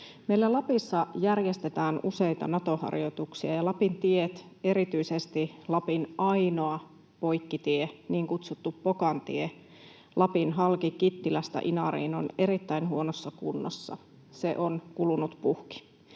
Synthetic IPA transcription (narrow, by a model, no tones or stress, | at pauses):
meilːælɑpisːɑjærjest̪et̪æːnuse̞jt̪ɑ̰nɑt̪o̞hɑ̰rjo̞t̪uksiɑjɑlɑpint̪iet̪e̞ɾit̪yisest̪ilɑpinɑjno̞ɑ | po̞jkːit̪ieniːŋkut̪sut̪ːupːokɑnt̪ḭe | lʔɑpinɦɑlkikit̪ːilæst̪æ̰ʔinɑɾḭːno̞̰ne̞ɾit̪ːæinhuo̞nosːɑkunːo̰sːɑ̰ | sḛʔo̞nkulunut̪puhki̥